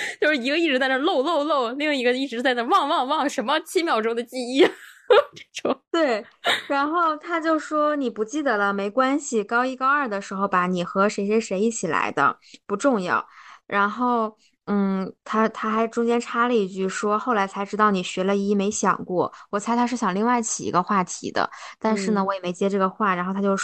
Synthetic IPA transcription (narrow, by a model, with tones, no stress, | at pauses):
t͡ɕjo˥˧ʊʂɻ̩˥˧˩i˧˥ɡə˧i˥˩ʈ͡ʂɻ̩˧˥t͡sa˥˧ɪnə˥˧lo˥˧ʊlo˥˧ʊlo˥˧ʊli˥˧˥i˧˥ɡə˧i˥˩ʈ͡ʂɻ̩˧˥t͡sa˥˧ɪna˥˧wɑ˥˧ŋwɑ˥˧ŋwɑ˥˩ŋʂə˧˥nmə˧t͡ɕʰi˥mjɑ˨˩ʊʈ͡ʂʊ˥ŋd̪ə˨t͡ɕi˥˧i˥˩ʈ͡ʂe˥˩ʈ͡ʂʊ˨˩˦ŋt̪we˥˩ɪɻa˧˥nxo˥˩ʊt̪ʰa˥t͡ɕjo˥˩ʊʂwɔ˥ni˨˩pu˧˥t͡ɕi˥˩d̪ə˩lə˧me˧˥ɪkwa˥nɕi˨˩kɑ˥ʊi˥kɑ˥ʊə˞˥˩d̪ə˩ʂɻ̩˧˥xo˧ʊpa˧˥ni˨˩xɤ˧˥ʂe˧˥ɕjɛ˥ʂe˧˥ɪi˥˩t͡ɕʰi˨˩la̰˧˥ɪd̪ə̰˧ | pu˧˥ʈ͡ʂʊ˥˧ŋjɑ̰˥˩ʊɻʔa˧˥nxo˥˩ʊ | n̩˥˩t̪ʰa˥t̪ʰa˥xa˧˥ɪʈ͡ʂʊ˥ŋt͡ɕjɛ˥nʈ͡ʂʰa˥lə˨˧i˥˧t͡ɕy˥˩ʂwɔ˥xo˥˩ʊla˧˥ɪt͡sʰa˧˥ɪʈ͡ʂɻ̩˥t̪ɑ˥˩ʊni˨˩ɕɥɛ˧˥lə˧i˧˥˩me˧˥ɪɕjɑ̰˨˩ŋkwɔ˥˩wɔ˨˩t͡sʰɪt̪ʰa˥ʂ̩˥˩ɕjɑ˨˩ŋli˥˧ŋwa˥˩ɪt͡ɕʰi˨˩ḭ˧˥ɡə˧xwa˥˩t̪ʰḭ˧˥d̪ə̰˧t̪a˥˧nʂɻ̩˥˩nə˩wɔ˧˥jɛ˨˩me˧˥ɪt͡ɕjɛ˥ʈ͡ʂɤ˥˩ɡə˩xwa˥˩ɻa˧˥nxo˥˩t̪ʰa˥jo˥˧ʊ